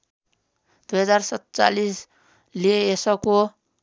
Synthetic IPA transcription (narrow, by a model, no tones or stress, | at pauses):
d̪̥ujɦʌd͡zarsʌt̪t͡sa̰lis | lieesʌko